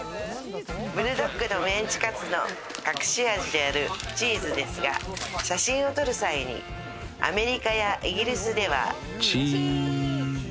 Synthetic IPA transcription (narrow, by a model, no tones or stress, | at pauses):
bɯ̟ɾɯ̟d̪okːɯ̟no̞mẽ̞ɲ̟t͡ɕi̥kat͡sɨno̞̰ | kakɯ̟̥ɕiaʑid̪e̞aɾɯ̟t͡ɕiːzɨd̪e̞sɨɡa̰ɕaɕĩɰ̃o̞t̪o̞ɾɯ̟saiɲ̟ḭ | a̰me̞ɾʲikajaʔiɡʲiɾʲisɨd̪e̞β̞a̰ | t͡ɕiː